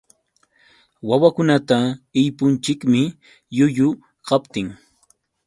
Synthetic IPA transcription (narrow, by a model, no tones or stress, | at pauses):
wawakʊnat̪aɪjpʊnt͡ʃɪkmɪ | jʊjʊ | qɑpt̪ɪŋ